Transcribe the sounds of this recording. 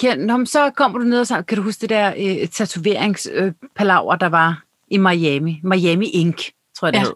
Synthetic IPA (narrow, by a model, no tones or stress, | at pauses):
kʰænɒmsɒ̽kʰɒ̽m̰ɐd̥une̝ð̞ˠɒsɑ̈kʰæɾuɦuːsd̥eid̥ɛɐ̰øt͡sʰæt͡sʰuʋe̝ɐ̰eŋsøpʰælɑ̈ʊ̰ɐd̥ɑ̈ʋɑ̈ | imɑ̈ɛmimɑ̈ɛmiʔeŋɡ̥ | t͡sʰoɔɐ̰d̥eḛ